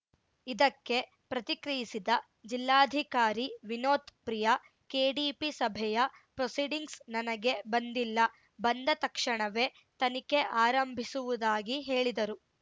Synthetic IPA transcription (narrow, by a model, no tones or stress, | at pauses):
id̪ɐkːe̞ | pɾɐt̪ikɾijisid̪ɐ | d͡ʒilːaːd̪ʱikaːɾiʋinoːt̪pɾijɐ | keːɖiːpisɐbʱɛjɐpɾosiɖiŋɡsnɐnɐɡe̞bɐnd̪ilːɐ | bɐnd̪ɐt̪ɐkʂɐɳɐʋe̞ | t̪ɐnike̞ʔaːɾɐmbʱisuʋud̪aːɡiɦe̞ːɭid̪ɐɾu